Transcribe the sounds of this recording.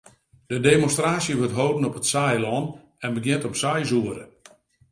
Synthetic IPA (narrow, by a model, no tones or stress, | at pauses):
d̥ədemonstraːsjəʋɵtɦowdən̩ɔpətsajlɔn | ɛnbəɡjɪntɔpsajzuəɾə̰